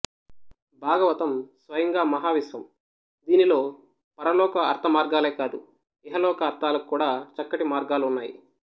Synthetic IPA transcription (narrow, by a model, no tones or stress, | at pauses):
bʱaːɡɐʋɐt̪ɐmsʋɐjɐŋɡaːmɐɦaːʋisɐm | d̪iːnilo̞ː | pɐɾɐlɔːkɐɐɾt̪ʰɐmaːɾɡaːleːkaːd̪u | ɛɦɐlɔːkɐːɾt̪ʰaːlɐkukːuːɽaːt͡ʃɐkːɐʈimaːɾɡaːluunːaːjḭ